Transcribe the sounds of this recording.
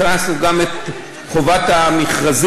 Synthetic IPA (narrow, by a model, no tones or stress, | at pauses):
nasnuɡamet̪ | χovat̪amiχʁaz